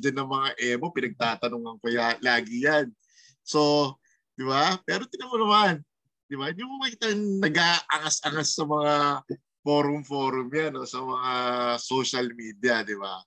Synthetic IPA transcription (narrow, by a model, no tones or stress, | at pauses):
d͡ʒanɐŋmɐŋaʔɛːbo̞pɪnɐɡ̚t̪aːt̪ɐnoŋɐŋkojalaːɡɪjan | so̞ | d̪̥ɪbapɛːɾot̪ɪnɐmɐnɐman | d̪̥ɪbaɪd̪imukɐkɪt̪ɐŋnɐɡʔaːʔɐŋasʔɐŋasːɐmɐŋa | fo̞ːɾʊmfo̞ːɾʊmjano̞sɐmɐŋaso̞ʃɐlmiːd̪jɐd̪ɪba̰